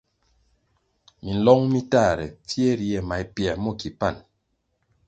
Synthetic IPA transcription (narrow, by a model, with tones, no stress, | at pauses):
mi˨n̩˨lɔ˦ŋmi˦ta˦˨ɾɛ̰˨p͡fje˦ɾi˨ɛ˨ma˨i˨pjɛ˨mɔ˦˨ki˨pa˦˨n